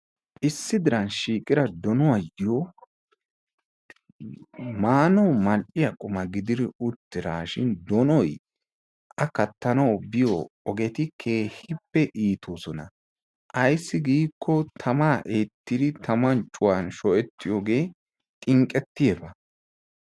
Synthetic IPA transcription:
ʔɪsːɪd̪ɪɾɐnʃiːkʼɪɾɐd̪ɔnɔwɐjɪjo | maːnɐwmɐlʔɪjɐkʼʊmɐɡɪd̪ɪd̪ɪʊt̪ːɪɾaːʃɪnd̪ɔnɔj | ʔɐkɐt̪ːɐnɐwbɪjɔɔɡɛt̪ɪkʰe̞ːhɪpːɛʔiːt̪ʰoːsɔnɐ | ʔɐjsːɪɡiːkːɔt̪ʰɐmaːʔeːt̪ːɪd̪ɪt̪ɐmɐnt͡ʃʼʊwanʃɔʔɛt̪ːɪjoːɡe̞ː | t̪ʼɪŋkʼːɛt̪ːɪjɛbɐ

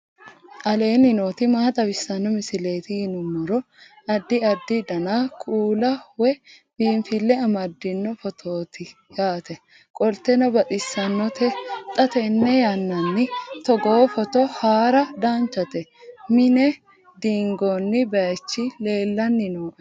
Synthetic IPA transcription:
ʔɐle̞ːnɪnoːt̪ɪmaːt̪ʼɐbɪsːɐnːɔmɪsɪle̞ːt̪ɪjɪnʊmːɔɾɔ | ɐd̪ːɪɐd̪ːɪd̪ɐnakʰʼuːlɐwɛ | b̥iːnfɪlːɛɐmɐd̪ːɪnːɔfɔt̪ʰoːt̪ɪ | jaːt̪ɛ | kʼɔlt̪ɛnɔbɐt̪ʼɪsːɐnːɔt̪ɛt̪ʼɐt̪ɛnːɛjanːɐnːɪt̪ɔɡoːfɔt̪ɔhaːɾɐd̪aːnt͡ʃːɐt̪ɛmɪnɛ | d̪iːŋɡonːɪbɛt͡ʃːɪle̞ːlːɐnːɪnoːʔɛ

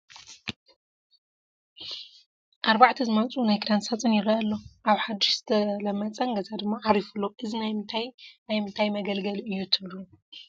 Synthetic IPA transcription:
ʔaɾbaʕt̪ʰizɨmɐt͡sʼunajkʰɾansat͡sʼɨnjɪɾɐʔɐlːoʔaβħad̪ɪʃz̥ɨt̪ʰɐlɐmːɐt͡sʼɐnɡɐzad̪ɨmːaʕaɾifulːoʔɨzinajt̪ʰajnajmɨnt̪ʰajmɐɡɐlɡɐlɨjːut̪ʰɨβlu

